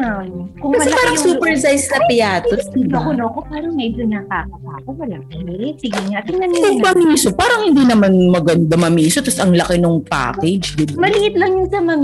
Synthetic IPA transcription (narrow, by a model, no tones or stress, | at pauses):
akʊŋɐɐpaːɾɐŋsuːpɛɹsajssɐpɪjaːt̪osiɐkʊnoʔɐkopaːɾɐŋmɛjd͡ʒonɐkakɐpaːkowɐlaːkɐlɪɪt̪̚sɪɡɪŋaːt̪ɪnɐnikʊɡpɐmiːsopaːɾɐŋhɪnd̪inɐmanmɐɡɐnd̪ɐmɐmiːsot̪ɐsɐŋlɐkɪnoŋpa̰ːkɛd͡ʒd̪ɪbmɐlɪʔɪt̪̚lɐŋjʊnsɐmɐm